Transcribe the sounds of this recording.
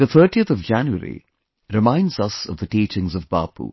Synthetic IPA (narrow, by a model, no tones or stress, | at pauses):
ð̥ət̪ʰəːʈiət̪ɔvd͡ʒæ̃njuə̰ɾḭ | ɾɪmãɪ̃ndzʌsʌ̰vðəʈiːt͡ʃɪ̃ŋzɔvba̰ːpṵ